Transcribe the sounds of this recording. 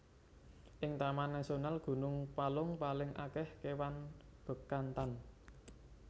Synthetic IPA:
ʔɪŋt̪amanːasonalɡ̥ṳnʊŋpalʊŋpalɪŋʔa̰kɛhkewanb̥ə̤kant̪an

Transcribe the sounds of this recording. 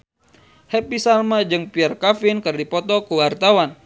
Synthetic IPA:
hɛpisalmad͡ʒɨŋpiarkafinkɨrdipɔt̪ɔkuwart̪awan

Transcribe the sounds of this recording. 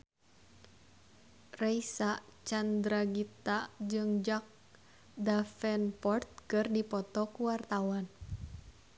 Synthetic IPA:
raisat͡ʃand̪ɾaɡit̪ad͡ʒɨŋd͡ʒak̚ | dafɛnpɔrt̪̚kɨrdipɔt̪ɔkuwart̪awan

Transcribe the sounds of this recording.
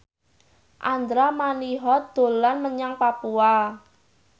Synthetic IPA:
ʔand̪ɾamaniɦɔd̪̥o̤lanməɲaŋpapua

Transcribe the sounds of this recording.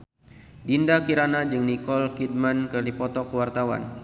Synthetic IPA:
dindakiɾanad͡ʒɨŋnikɔlkid̚mankərdipɔt̪ɔkəwart̪awa̰n

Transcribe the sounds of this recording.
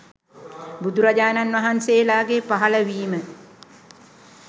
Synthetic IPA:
bud̪uɾad͡ʒaːnanʋaɦanseːlaːɡepaɦaləʋiːmə

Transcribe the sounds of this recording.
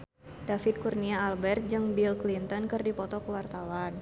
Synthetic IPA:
dafɪt̪̚kurniaːlbɛrt̪̚d͡ʒɨŋbilklint̪ɔnkɨrdipɔt̪ɔkəwart̪awan

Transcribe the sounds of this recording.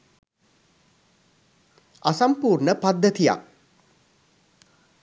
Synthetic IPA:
asampuːrɳəpad̪ːət̪ija̰k̚

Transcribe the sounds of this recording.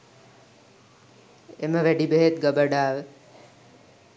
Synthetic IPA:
eməʋæɖibeɦet̪ɡəbəɖaːʋə

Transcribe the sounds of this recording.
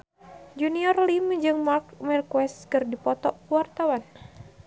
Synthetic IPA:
d͡ʒuniɔrlimd͡ʒɨŋmark̚mɛrkwɛst̪kɨrdipɔt̪ɔwart̪awan

